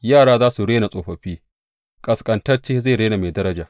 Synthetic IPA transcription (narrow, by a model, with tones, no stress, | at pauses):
jaː˦˨ɽaː˦zaː˦su˨ɽeː˦na˨sʼoː˨ɸɐ˨ɸiː˦ | kʼɐ˨skʼɐ˨ntɐ˦rt͡ʃeː˦za˦˨ɽeː˦na˨meː˨dɐ˦ɾɐ˦d͡ʒaː˨ʔ